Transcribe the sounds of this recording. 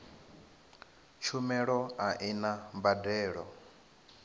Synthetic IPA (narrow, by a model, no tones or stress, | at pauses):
t͡ʃʰumɛɺɔaʔinambadɛːɺɔ